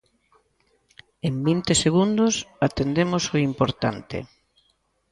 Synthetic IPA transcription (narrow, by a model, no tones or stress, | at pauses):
embint̪eseɣund̪ʊsat̪end̪emosoimpoɾt̪ant̪ḛ